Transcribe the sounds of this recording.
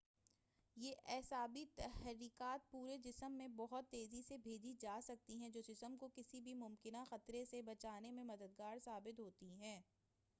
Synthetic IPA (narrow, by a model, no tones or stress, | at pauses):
jeːʔɛːsaːbit̪ɛhɾiːkaːt̪̚puːɾed͡ʒɪsəmːẽbɔɦʊt̪ːeːzisebʱeːd͡ʒid͡ʒaːsɐk̚t̪iɦɛ̃d͡ʒoːd͡ʒɪsəmkokɪsibʱimʊmkɪnaxɐt̪ɾẽsebɐt͡ʃaːnemẽmɐd̪əd̪̚ɡaːɾsaːbɪt̪ɦoːt̪iɦɛ̃ː